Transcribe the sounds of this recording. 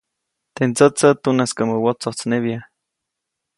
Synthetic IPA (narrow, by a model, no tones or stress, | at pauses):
t̪ent͡sət͡sət̪unaskaməwot͡sot͡sneβja